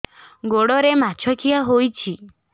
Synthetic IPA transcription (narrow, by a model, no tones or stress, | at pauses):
ɡoɽɔɾemat͡ʃʰɔkʰijaɦojt͡ʃʰi